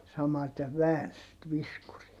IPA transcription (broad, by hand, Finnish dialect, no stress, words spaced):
sɑmɑte ʋæːns sit ʋiskuriː